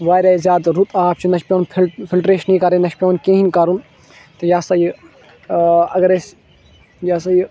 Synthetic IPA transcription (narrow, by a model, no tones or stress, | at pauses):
ʋaːjɾaːizʲjaːd̪ɾut̪ʰʼaːp̚t͡ʃʰunɐʃpʲjõːnʰpʰilʈɾeːʃnĩːkaɾẽnɐʃpʲjõːnkẽːɦinʲkaɾun | t̪ɐjaːsɐj | ɐɡɐɾes | jaːsɐj